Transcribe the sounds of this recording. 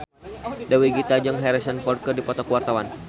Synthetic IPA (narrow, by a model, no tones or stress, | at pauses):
dawiɡit̪ad͡ʒəŋɦɛɾisənpɔrkərdipɔt̪ɔkuwart̪awan